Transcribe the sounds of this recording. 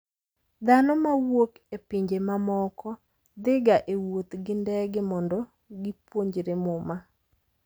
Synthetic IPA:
d̪anɔmawokepiɲd͡ʒemamɔkɔ | d̪ɪɡaʔewot̪ɡɪndɛɡɪmɔndɔ | ɡɪpwoɲd͡ʒɾemʊma

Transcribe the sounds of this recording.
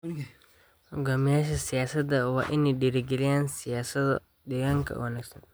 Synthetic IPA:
ʊɡamɪjaːʃ̬ɛsɪjaːsɐd̪ɐwaːʔɪnːɪɗiɾɪɡɪlɪjansɪjaːsɐd̪ | dɪɡɐŋkʰɐ̰wɐnaɡsɐn

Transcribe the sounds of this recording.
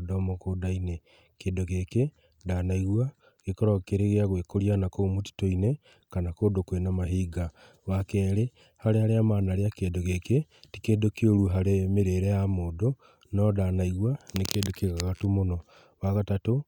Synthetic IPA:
domokodaine | keːdoɣeke | danaiɣwa | kekɔɾakeɾeɣeaɣwekoɾianakomoti̥toine | kanakoːdokwenamaɦiɡa | wakɛɾe | haɾehaɾeamaːnaɾeakedoɣeketi̥kedokeoɾuɦaɾemeɾeɾejamoːdo | nɔdanaiɣwanekedokeɣaɣatumonɔ | waɣatato

